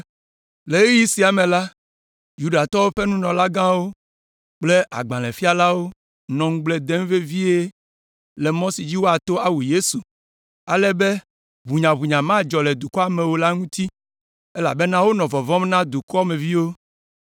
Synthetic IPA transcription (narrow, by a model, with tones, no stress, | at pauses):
le˨e˦ji˦si˨˦a˨mẽ˨la˦ | ju˦ɖa˨t̪ɔ˦wo˦ɸe˦nũ˦nɔ̃˨la˦ɡã˦wo˦ | k͡ple˦ʔa̰˨ɡ͡bã˨lɛ̃˨fi˦a˨la˦wo˦ | nɔ̃˨ŋ̩̃˦ɡ͡ble˦d̪e˦ŋ˦ve˦vi˦e˦ | lɛ˨mɔ̃˦si˨d͡ʑi˦wo˦a˨t̪o˦a˦wu˨je˦su˨ | a̰˨lɛ˦be˦ | βu˨ɲã˨βu˨ɲã˨mã˦˨d͡ʒɔ˨lɛ˨d̪u˨kɔ˦a˨mẽ˨wo˦la˦ŋũ˦t̪i˦ | e˦la̰˨be˦nã˦wo˦nɔ̃˨vɔ˨vɔ̃˦mnã˦d̪u˨kɔ˦mẽ˨vi˦wo˦